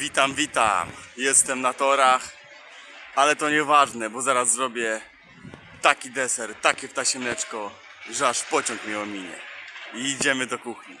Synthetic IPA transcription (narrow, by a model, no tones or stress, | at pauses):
vʲit̪amvʲit̪a̰mjɛst̪ɛmnat̪ɔɾax | alɛt̪ɔɲɛvaʐnɛbɔzaɾazːɾɔbʲjɛ | t̪akʲid̪ɛsɛɾt̪akʲɛft̪aɕɛmlɛt͡ʂkɔ | ʐɛaʂpɔt͡ɕɔŋkmʲɛɔmʲiɲɛ̰iːd͡ʑɛmɘd̪ɔkuxɲḭ